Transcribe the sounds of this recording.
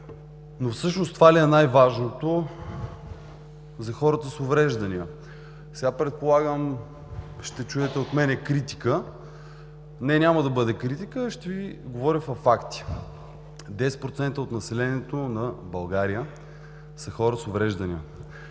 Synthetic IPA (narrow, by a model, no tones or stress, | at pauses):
nofsɤʃnost̪valiɛnajvaʒnot̪o | zɐxɔɾət̪əsovɾɛʒd̪ɐniə | sɛɡapɾɛt̪̚polˠaɡəm | ʃt̪ɛt͡ʃuɛt̪ɛot̪mɛnɛkɾit̪i̥kə | nɛnʲaməd̪ɐbɤd̪ɛkɾit̪ikəʃt̪ɛviɡovɔɾʲəfɐfakt̪i̥ | d̪ɛspɾot̪sɛnt̪əot̪nɐsɛlɛniɛt̪onɐbɐlˠɡaɾiə | sɐxɔɾəsovɾɛʒd̪ɐniə